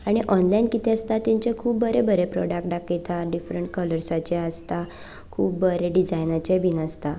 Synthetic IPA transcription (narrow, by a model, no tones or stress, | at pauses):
aɽ̃iʔɔnlainkit̪ʰeəst̪at̪aɲt͡ɕekʰuːbːəɾebəɾepɾɔ̰ɽak̚ʈɖak̚ʈjet̪ʰaɖifɾəɳʈkələɾsat͡ɕeəst̪a | kʰuːbːəɾeɖid͡zajnat͡ɕebʱinəst̪a